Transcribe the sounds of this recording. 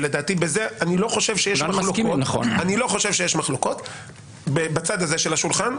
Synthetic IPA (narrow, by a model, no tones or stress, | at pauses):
led̪aːt̪ibezeʔanilo̞χo̞ʃe̞vʃejeʃmaloonaχo̰nanilo̞χo̞ʃe̞vʃejeʃmaχloko̞t | bebat͡sad̪azeʃelaʃulχan